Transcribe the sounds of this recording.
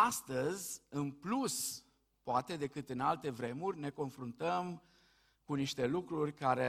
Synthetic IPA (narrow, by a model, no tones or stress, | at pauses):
ast̪əzʲɨnplus | poat̪e̞d̪e̞kɨt̪ɨnalt̪e̞vɾe̞murʲne̞ko̞nfɾunt̪əm | kuniʃt̪e̞lukɾurʲkaɾe